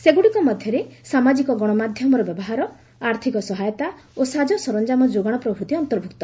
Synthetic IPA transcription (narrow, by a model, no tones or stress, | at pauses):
seɡuɽiŋkɔmɔd̪ʱjɔɾesamad͡ʒikɔɡɔɽ̃ɔmad̪ʱjɔmɔɾɔbjɔbɔɦaɾɔ | aɾt̪ʰikɔsɔɦajɔt̪a | osad͡ʒɔsɔɾɔnd͡ʒamɔd͡ʒoɡaɽ̃ɔpɾɔbʱut̪iɔnt̪ɔɾbʱukt̪ɔ